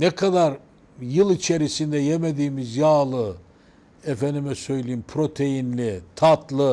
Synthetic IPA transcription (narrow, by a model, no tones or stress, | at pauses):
nɛkʰad̪aɾ | jɯlˠit͡ʃʰeɾisind̪ɛjemed̪iːmizjaːlˠɯ | efɛnd̪imɛsø̞jlʲejimpʰɾo̞t̪ʰe̞jinlʲit̪ʰat̪lˠɯ